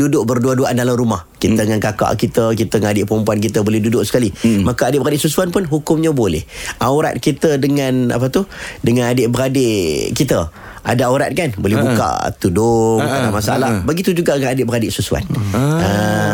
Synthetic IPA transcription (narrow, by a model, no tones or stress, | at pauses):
dudʊʔbərduaduaʔandalahrumahkit̪əŋankaka̰ʔkit̪əkit̪əŋanadɪʔpəɾəmpuankit̪əbolɛhdudʊʔsə̥kalimakaadɪʔbəradɪʔsusuanpʊnɦukʊmɲabolɛ̰hawɾa̰t̪̚kit̪ədəŋãna̰p̬at̪udəŋanadɪʔbəɾadeʔkit̪ə | adaauɾa̰t̪̚kanbolɛɦbuka̰ʔt̪udʊd̪alamasaʔa̰lahbəɡit̪ud͡ʒuɡaŋanadɪʔbəɾadɪʔsusua̰nə